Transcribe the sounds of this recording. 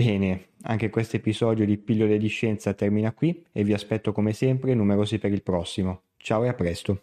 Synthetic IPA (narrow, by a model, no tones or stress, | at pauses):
bɛːnea̰ŋk̟ekwest̪oepizɔːd̪jod̪ipilːoled̪iʃːɛnt̪sat̪ɛrminakwievːiaspɛt̪ːokomesɛmpɾenumeɾoːzipeɾilpɾɔsːimo | t͡ʃaːwoeapːɾɛst̪o